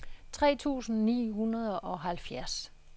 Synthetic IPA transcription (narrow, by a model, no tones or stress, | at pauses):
t͡sʰʁɛ̰ːt͡sʰṵːsn̩nḭːɦunɐð̞ˠʔɒ̽ɦælfjæɐs